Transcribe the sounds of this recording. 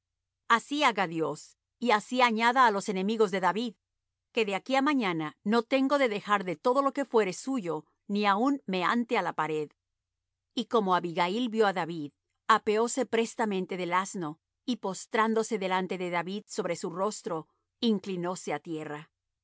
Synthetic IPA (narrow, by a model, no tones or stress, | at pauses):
asiaɣaðjo̞s | iasiaɲaðaːlo̞sene̞miɣo̞zðe̞ðaβið | ke̞ðe̞akiamaɲanano̞t̪e̞ŋɡo̞ðe̞ðe̞xaɾðe̞t̪o̞ðo̞lo̞ke̞fwe̞ɾe̞suʝo̞ | niaunme̞a̰nt̪ealapaɾe̞ð | iko̞mo̞aβiɣailbjo̞aðaβið | ape̞o̞se̞pɾe̞st̪amẽ̞nt̪e̞ðelazno̞ | ipo̞st̪ɾand̪o̞se̞ðe̞lant̪e̞ðe̞ðaβiðso̞βɾe̞suro̞st̪ɾo̞ | iŋklino̞se̞at̪je̞ra